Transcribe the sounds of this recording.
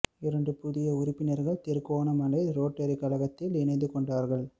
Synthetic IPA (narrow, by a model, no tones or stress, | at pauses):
ɪɾɐɳɖɯpʊðɪjɐʊɾɪpːɪnɐɾɣɐɭt̪ɪɾkoːnɐmɐlɐɪɾoːʈːɐɾɪkːɐlɐɣɐt̪ːɪlɪnɐɪnd̪ɯkɔɳɖaːɾɣɐɭ